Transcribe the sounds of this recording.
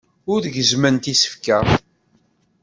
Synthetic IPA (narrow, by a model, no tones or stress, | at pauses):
ʊɾðʝəzmənt̪isə̥fkæθ